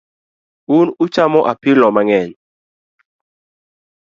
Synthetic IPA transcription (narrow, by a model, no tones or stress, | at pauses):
unʊt͡ʃamɔʔapɪlɔmaŋɛɲ